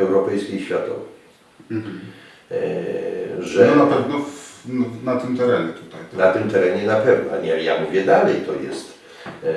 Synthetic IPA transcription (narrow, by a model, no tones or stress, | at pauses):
ɛwɾɔpɛjskʲijɕfʲjat̪ɔ̰vɛ | ʐɛnapɛvnɔfnat̪ɘmt̪ɛɾɛɲɛt̪ut̪ajnat̪ɘmt̪ɛɾɛɲɛnapɛvnɔa̰ɲɛja̰muvʲjɛd̪alɛjt̪ɔjɛst̪